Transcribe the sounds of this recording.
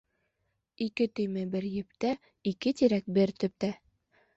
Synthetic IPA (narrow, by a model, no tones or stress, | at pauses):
ikɘt̪ɵ̆jmæbɘɾjɘ̆p̚t̪æ | ikɘt̪iɾæk̚bɘɾt̪ɵ̆p̚t̪æ